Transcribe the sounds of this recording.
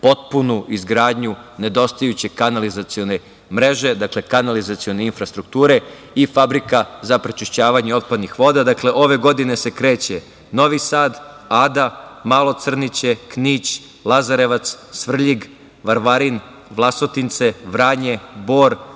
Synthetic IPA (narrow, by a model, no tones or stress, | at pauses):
po̞t̪̚punuʔizɡɾaːd̪ɲune̞d̪o̞st̪ajut͡ɕe̞kanalizat̪sio̞ne̞ | mɾe̞ʒe̞d̪akle̞kanalizat̪sio̞neinfɾast̪ɾuk̚t̪uːɾe̞ | ifabɾikazapɾet͡ʃiʃt͡ɕaːʋaɲeo̞t̪̚pad̪nixʋo̞d̪ad̪akleʔo̞ʋe̞ɡo̞d̪ine̞se̞kɾe̞ːt͡ɕe | no̞ʋisaːd̪ | aːd̪amaːlˠo̞t̪sr̩nit͡ɕe̞kniːt͡ɕ | lˠazaɾeʋat̪ssʋr̩ʎiɡ | ʋaɾʋaɾin | ʋlˠaso̞t̪int̪se̞ʋɾaːɲe̞bo̞ːɾ